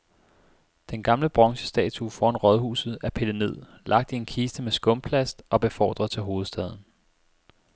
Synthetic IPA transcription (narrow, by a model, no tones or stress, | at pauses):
d̥enɡ̥ɑ̈mləb̥ʁɒ̽ŋɕə̥sd̥ɛ̰ːt͡sʰufɒ̰ɑnʁɒ̽ðˠhṵːsð̩ˠæɐpʰe̝ləne̝ð̞̰ˠ | lɑ̈ɡ̥̚d̥ie̝nkʰiːsd̥əmesɡ̥ɔ̽mpʰlæsd̥ɒ̽b̥e̝fɒ̰ːd̥ʁɐðˠt͡sʰe̝ɦo̝ːð̞̩ˠsd̥ɛð̞ˠn̩